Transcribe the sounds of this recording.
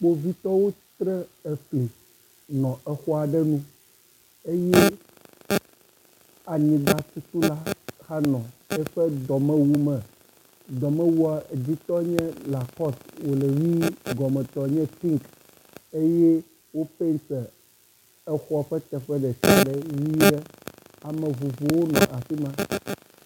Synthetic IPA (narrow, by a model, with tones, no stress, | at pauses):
k͡po˦vi˦t̪ɔ˦wo˦t̪ɾɛ˦e˨ɸli˨ | nɔ̃˨ɛ˦xɔ˦a˨ɖɛ˦nũ˦ | e˦je˦ | a˨ɲĩ˨ɡ͡ba˨t̪u˦t̪u˦la˦xa˦nɔ̃˨ɛ˦ɸɛ˦d̪ɔ˨mɛ̃˦wu˦mɛ̃˨ | d̪ɔ˨mɛ̃˦wu˦a˨d͡ʑi˦t̪ɔ˦ɲɛ̃˦la˨kɔ˦swo˨le˨wi˦ɡɔ˨mɛ̃˨t̪ɔ˨ɲɛ̃˦t̪i˦ŋk | e˦jɛ˦ | wo˦pe˦nsɛ˨ | ɛ˦xɔ˦˨ɸɛ˦t̪ɛ˨ɸɛ˦ɖɛ˨sa˨ɖɛ˦wi˦ɖɛ˦a˨mɛ̃˨vu˨vo˨wo˦nɔ̰̃˨ʔa˨fi˦mã˦